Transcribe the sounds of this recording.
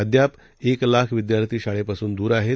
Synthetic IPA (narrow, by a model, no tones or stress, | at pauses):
əd̪ʱjap | eklakʰʋid̪jaɾt̪ʰiːɕaɭepasuːnd̪uːɾaɦe